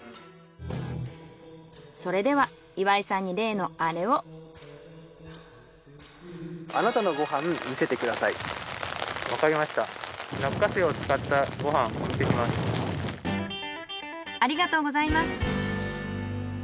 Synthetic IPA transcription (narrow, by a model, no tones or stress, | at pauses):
so̞ɾe̞d̪e̞βa | iβaisãɲ̟ːiɾe̞ːno̞aɾe̞o̞ | anat̪ano̞ɡo̞ɦãmmʲise̞t̪e̞kɯ̟d̪asaḭ | βakaɾʲimaɕi̥t̪aɾakːaseot͡sɨ̥kat̪ːaɡo̞ɦãŋoki̥t̪ekʲimasɨ̥ | aɾʲiɡat̪o̞ːɡo̞zaimasɨ̥